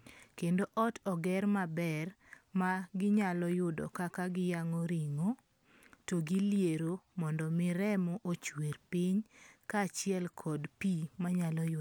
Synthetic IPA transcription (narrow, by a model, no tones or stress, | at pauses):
kendoʔɔtʰɔɡɛɾmabɛrmaɡɪɲalɔjʊdɔ̰kakaɡɪjaŋɔɾiŋo | toɡɪljeɾomɔndɔmɪɾɛmɔʔot͡ʃweɾpiɲkat͡ʃɪɛlkʰɔdpimaɲalɔjʊ